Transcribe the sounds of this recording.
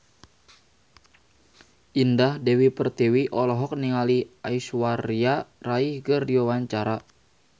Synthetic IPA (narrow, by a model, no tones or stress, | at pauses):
ʔindahdɛwipərt̪iwiʔɔlɔɦɔk̚niŋaliaiswaɾiaraihɡərdiwawaɲt͡ʃaɾa